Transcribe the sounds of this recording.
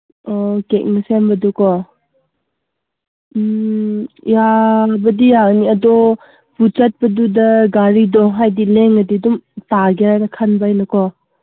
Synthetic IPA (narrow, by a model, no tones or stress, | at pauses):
ɔkek̚nɐsembɐdukɔ | jabɐdijaniɐdɔ | but͡ʃat̚pɐdudɐɡaɾidɔɦajdileŋːɐdidumtaɡeɾaɾakʰanbajnɐkɔ